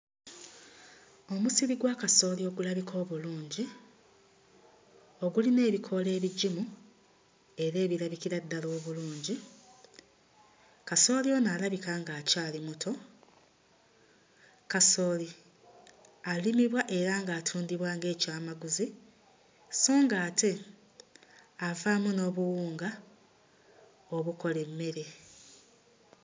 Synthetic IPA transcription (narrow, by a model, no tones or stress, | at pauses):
o̞musiβiɡwaːkaso̞ːlio̞ɡulaβikʰo̞ːβuluːɲɟi | o̞ɡuline̞ːβikʰo̞le̞ːβiɟimu | e̞ɾe̞ːβiɾaβikiɾad̪ːalo̞ːβuluːɲɟi | kaso̞ːlio̞naːlaβikaːŋɡaːcaːlimutʰo̞ | kaso̞ːli | alimiβwaʔe̞ɾaːŋɡaːtʰuːndiβwaːŋɡe̞ːcaːmaɡuzi | so̞ːŋɡaːte̞ | avaːmuno̞ːβuwuːŋɡa | o̞βuko̞le̞mːe̞ɾe̞